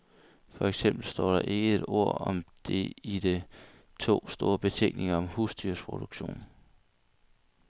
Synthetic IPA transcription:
fɒ̽eɡ̥sem̰b̥l̩sd̥ɒ̰ːɾ̥ɑ̈ʔe̝ɡ̥əe̝d̥o̝ɐ̰ɒ̽md̥e̝id̥e̝ | t͡sʰo̝̰ːsd̥o̝ːɐb̥e̝t͡sʰeŋ̰ɡ̥ne̝ŋɐɒ̽mhusd̥yɐspʰʁo̝d̥uɡ̥ɕo̝̰ːn

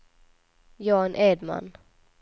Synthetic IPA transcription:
jɑːnʔeːd̪ma̰n

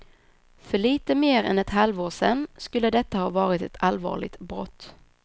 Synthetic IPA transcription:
fœɭiːt̪əmeːɾɛ̰nɛt̪halvoːʂɛnːskɵlːəd̪ɛt̪ːahɑːvɑːɾɪt̪ɛt̪ʰalvɑ̰ːɭɪ̰t̪bɾɔ̰t̪ː

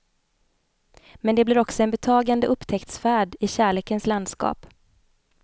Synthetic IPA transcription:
mɛnd̪ɛblɪɾɔksɔɛnbɛt̪ʰɑːɡand̪əʔɵpːt̪ʰɛkt̪sfæːɖɪɕæːɭeːkənsland̪skɑ̰ːp

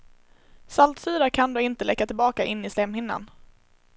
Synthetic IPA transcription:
salt̪sʉːɾaɾkʰand̪oːɪnt̪əlɛkːat̪ʰɪlbɑːkaʔɪnːɪslɛmhɪnːa̰n

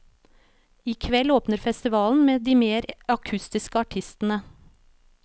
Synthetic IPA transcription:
iːkʰʋɛloːpnəɾfɛst̪ɪʋɑːln̩meːd̪iːmeːɾɑkʰʉst̪ɪskəɑʈʰɪst̪n̩ə

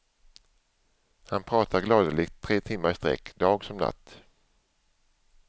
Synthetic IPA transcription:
hanpʰɾɑːt̪ʰaɾɡlɑːd̪əlɪɡt̪ʰːɾeːt̪ʰɪmːaɾst̪ɾɛ̰kːd̪ɑːɡsɔmna̰t̪ː

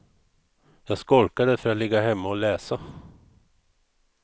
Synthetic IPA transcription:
jæːskɔlkəɖefœɾɑt̪lɪɡahɛmːəoːleːsə

